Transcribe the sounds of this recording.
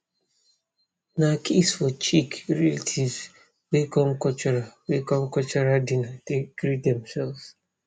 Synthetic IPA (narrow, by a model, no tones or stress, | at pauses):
nakʰesfɔt͡ʃikɾɛlitʰiz | wekɔ̃mkɔt͡ʃɔɹawekɔ̃mkɔt͡ʃɔɹadinateɡ̥ɾidɛ̃msɛlvs